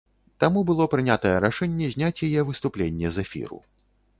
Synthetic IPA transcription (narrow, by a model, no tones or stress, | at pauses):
t̪amubɨlˠɔpɾɨnʲat̪ɐjɛɾaʂɛnʲːɛzʲnʲat͡sʲjajɛvɨst̪uplʲenʲːɛzɛfʲḭɾṵ